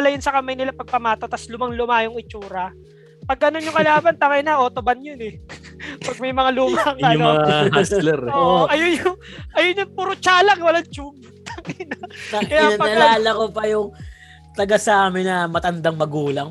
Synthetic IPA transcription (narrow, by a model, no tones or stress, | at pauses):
ɐlɐjʊnsɐkɐmajnɪlapɐɡ̚pɐmaːt̪ot̪ɐslʊmaŋlʊmajʊŋɪt͡ʃuːɾɐ | pɐɡ̚ɐnoɲʊŋkɐlaːbɐnt̪ɐŋɐjnɐʔoːt̪obanjonɛ | pɐɡ̚mɐjmɐŋaluːmaŋaʔɐoɐŋslɛɾoʔɐjoɲʊŋʔɐjoɲʊŋpuɾot͡ʃaːlɐŋwɐlaŋt͡ʃub | t̪ɐŋjnɐkɐjaɐnpɐɐlaːlɐkopɐjʊŋ | t̪ɐɡasɐaːmɪnːɐmɐt̪ɐnd̪aŋmɐɡuːlɐŋ